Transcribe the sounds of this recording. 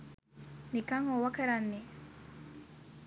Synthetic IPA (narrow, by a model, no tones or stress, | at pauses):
nikaŋɔwakɛɾanːi